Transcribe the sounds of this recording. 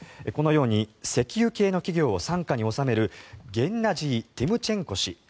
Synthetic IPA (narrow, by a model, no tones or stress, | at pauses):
eko̞no̞jo̞ːɲ̟ise̞kʲijɯ̟ke̞ːno̞kʲiɡʲo̞ːsãŋkaɲ̟io̞same̞ɾɯ̟ɡẽ̞nːaʑiːt̪emɯ̟t͡ɕẽ̞ŋko̞ɕi